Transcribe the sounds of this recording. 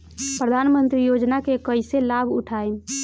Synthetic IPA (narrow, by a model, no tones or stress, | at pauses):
pɾəd̪ʱanmənt̪ɾijod͡ʒnakekəɪselabʱṵʈʰain